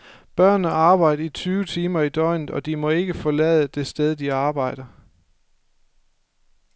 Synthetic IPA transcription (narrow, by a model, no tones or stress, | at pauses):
b̥ɶɐ̰nːəɑ̈ːb̥ɑ̈ɪ̰dɐit͡sʰyːʊət͡sʰiːmɐid̥ɒɪ̰nð̩ˠɒ̽d̥imɒ̽e̝ɡ̥əfɒ̽lɛːðˠəd̥e̝sd̥eð̞ˠd̥iɑ̈ːb̥ɑ̈ɪ̰d̥ɐ